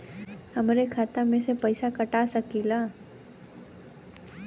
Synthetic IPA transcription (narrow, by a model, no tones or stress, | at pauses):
həmɾekʰaːt̪amẽsepəɪsakəʈasəkilaː